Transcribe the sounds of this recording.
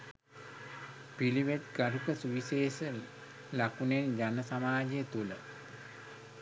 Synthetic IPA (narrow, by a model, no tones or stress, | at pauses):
piliʋet̪ɡaɾukəsuʋiseːsə | lakunend͡ʒanəsamaːd͡ʒejət̪ulə